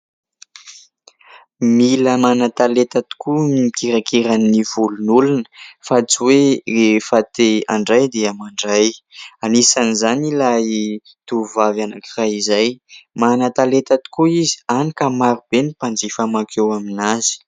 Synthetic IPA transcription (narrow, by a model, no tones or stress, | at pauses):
miləmanat̪alet̪at̪i̥kʰuikiɾakiɾanːiv̥ulunulunə̥fat͡siwerefat̪ea̰ɳɖ͡ʐajd̪eamaɳɖ͡ʐajanisanizanilai | t̪uvavanakiraizajmanat̪alet̪at̪i̥kuizi̥anikamaɾub̥enipand͡zifamakʰewaminazi̥